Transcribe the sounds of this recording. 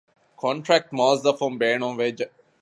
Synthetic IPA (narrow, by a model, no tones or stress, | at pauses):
kʰɔ̃ɳʈɾæk̚ʈmɔːzd̪əfɔ̃mbeːnɔ̃ːnʋed͡ʒ